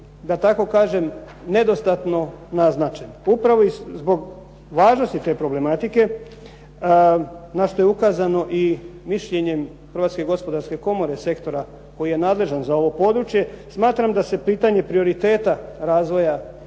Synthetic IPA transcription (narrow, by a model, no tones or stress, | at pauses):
d̪at̪ako̞kaːʒe̞m | ne̞d̪o̞st̪at̪no̞naznat͡ʃenupɾaʋo̞izbo̞ɡ | ʋaːʒno̞st̪it̪e̞ːpɾo̞ble̞mat̪ike̞ | naʃt̪o̞jeukaːzano̞ʔimiʃʎe̞ɲe̞m | xr̩ʋat̪ske̞ɡo̞spo̞d̪aɾske̞ko̞mo̞ɾe̞se̞kt̪o̞ɾa | ko̞jije̞naːd̪le̞ʒanzao̞ʋo̞po̞ːd̪ɾut͡ʃje̞smaːt̪ɾamd̪ase̞piːt̪aɲe̞pɾio̞ɾit̪e̞ːt̪aɾaːzʋo̞ja